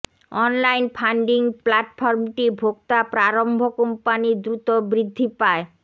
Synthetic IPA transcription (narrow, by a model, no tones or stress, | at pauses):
ɔnlajnpʰaɳɖiŋplaʈfʰɔɾmʈibʱoɡ̚t̪apɾaɾombʱokompanid̪ɾut̪obɾid̪ʱːipae